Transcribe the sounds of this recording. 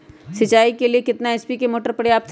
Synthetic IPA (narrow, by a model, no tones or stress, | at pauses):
sɪt͡ʃaːikeliekɪt̪naɛspikemoːʈəɾpɐɽjaːp̚t̪ʰ